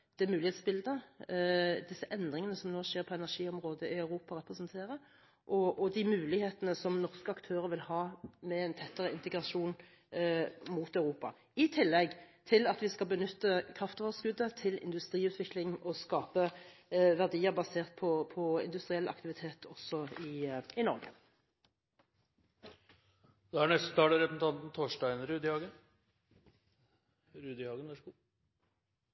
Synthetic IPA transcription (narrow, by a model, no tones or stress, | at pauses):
d̪̥ɛmʉːlɪheːt̪sbɪld̪ə | d̪ɪsːəʔɛnd̪ʁɪŋənəsɔmnoːʂeːʁpʰɔɛnæʁʂiːɔmʁoːd̪əʔɪœʉʁuːpɑʁɛpʁɛsnt̪ʰeːʁə | ʔɔɔd̪ɪmʉːlɪheːt̪ənəsɔmnɔʁskəɑkt̪ʰøːʁəʋɪlhɑːmɛɛɪnt̪ʰɛt̪ːəɾəɪnt̪ɛɡʁɑʃʂuːn | muːt̪œʉʁuːpɑ̰ | ɪt̪ʰɪlːɛɡt̪ʰɪlɑt̪ʋɪskɑlbənʏt̪ːəkʰʁɑft̪oːʋəskʉd̪ːət̪ʰɪlɪ̰nd̪ʉst̪ʁiːʉːt̪ʰʋɪklɪŋɔskɑːpəʋæʁd̪iːəʁbɑseːʁt̪̚pʰɔpʰɔɪ̰nd̪ʉst̪ʁɪɛlʔɑ̰kt̪ɪʋɪt̪ʰeːt̪ʰɔsɔɪɪnɔɾɡə̰ | d̪ɛæɳɛst̪ət̪ʰɑːləɾɛpəsn̩t̪ʰɑnt̪n̩t̪ʰoːʂʈæɪənɾʉːd̪ɪhɑːɡən | ɾʉːd̪ɪhɑːɡənʋɑʂɡuː